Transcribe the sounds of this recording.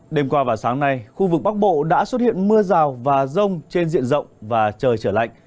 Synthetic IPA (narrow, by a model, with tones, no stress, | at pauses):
ɗe˧mkwaː˧vaː˨˩wsaː˨˦ŋna˨jxu˧vɨ˨˩k̚ɓa˦˥k̚ɓo̰˧˨ɗa̰ː˧˥swə˦˥t̚hḭ˧˨ənmɨ˧əzaː˨˩wvaː˨˩zə˧wŋ͡mt͡ɕe˧nzḭ˧˨ənzə̰˧˨wŋ͡mvaː˨˩t͡ɕəː˨˩jt͡ɕəː˧˩la̰˧˨ŋ̟